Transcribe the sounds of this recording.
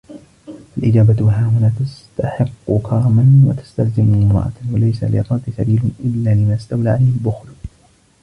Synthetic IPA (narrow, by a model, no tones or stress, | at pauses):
ʔalʔɪd͡ʒaːbat̪ɦaːwʊnaːt̪ast̪aħɪqːʊkʰɑɾˤɑmanwa̰t̪ḁst̪alzɪmmɾˤɑ̰ʔɑ̰walajsa̰lɪ̰ɾˤɑt̪ɪsa̰biːlʊʔɪlːaːlɪmaʔast̪awlaːʕalajhɪlbʊxlʊ